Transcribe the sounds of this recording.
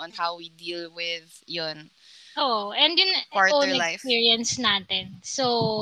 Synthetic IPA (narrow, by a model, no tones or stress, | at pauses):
ɔ̃nhawwid̪iːlˠwɪð | jʊn | ʔoʔʔɛ̃nd̪jʊnpaɹonɛlkasɪfpiːɹiɐnsnaːt̪ɛnso